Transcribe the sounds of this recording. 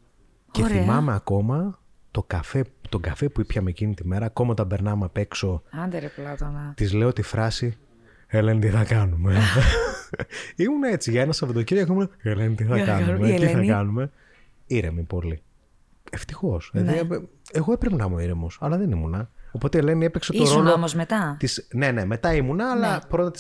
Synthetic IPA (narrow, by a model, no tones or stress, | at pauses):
ceθimɐmeɐko̞mɐ | t̪o̞kɐfet̪o̞ɡɐfe̞puipçɐmecinit̪ime̞ɾɐːko̞mɐt̪ɐbe̞ɾnɐmepe̞kso̞ɐd̪ɾplɐt̪nt̪izle̞ot̪ifɾɐsi | elent̪iθɐkɐnume | imunɐe̞t͡siʝɐenɐsɐvot̪ociɾɣokoimunɐelenit̪iθɐkɐnumet̪iθɐkɐnume̞ | iɾemipo̞li | eft̪ixo̞seðiɐeɣoepɾevnɐmoiɾemosɐlɐðenimunɐo̞po̞t̪eelenie̞pekse̞t̪o̞ɾoloomozmet̪ɐt̪isne̞ne̞me̞t̪ɐimunɐːlɐpɾo̞t̪ɐt̪i̥